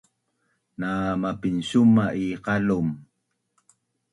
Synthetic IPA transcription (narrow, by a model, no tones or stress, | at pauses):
namapinɕumaʔiqalum